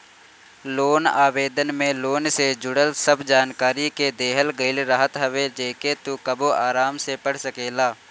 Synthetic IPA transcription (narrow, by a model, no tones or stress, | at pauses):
loːna̰ːʋeːd̪ənmẽloːnsed͡ʒʊɽəlsəbd͡ʒaːnkaːɾiked̪eːɦəlɡəɪlɾaɦət̪ɦəʋed͡ʒeːket̪ukəboaːɾaːmsepəɽ̤səkeːlaː